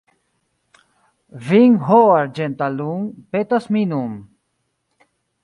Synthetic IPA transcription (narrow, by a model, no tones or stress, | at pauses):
viŋɦoaɾd͡ʒent̪aluŋpet̪asminum